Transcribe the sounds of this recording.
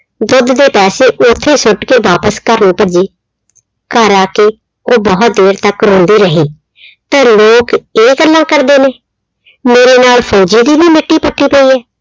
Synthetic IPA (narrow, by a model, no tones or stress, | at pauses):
d̪ʊd̪d̪eːpɛːseːʔʊt̪ʰːeːsʊʈkeːʋaːpəskəɾnũːpəd͡ʒiː | kəɾaːke | oːbɔːt̪̚d̪eːɾt̪əkɾõːnd̪iːɾəɦiː | t̪ãːloːkeːɡəlːãːkəɾd̪eːneː | meːɾeːnaːlpʰɔːd͡ʒiːd̪iːbiːmɪʈːiːpəʈːiːpəiːɛː